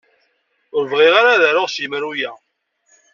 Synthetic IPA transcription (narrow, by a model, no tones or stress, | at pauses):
ʊɾəvʁiʁaɾaðæɾʊʁsiməɾujæ